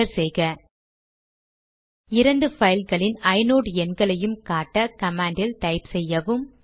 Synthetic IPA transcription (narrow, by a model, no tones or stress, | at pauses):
ɐɾsɛjɣɐ | ɪɾɐɳɖɯfɐɪlɣɐɭɪnɐɪnoːɽɯɛnɡɐɭɐjɯmkaːʈːɐkɐmaːɳɖɪlʈ̪ɐɪpsɛjːɐʋɯm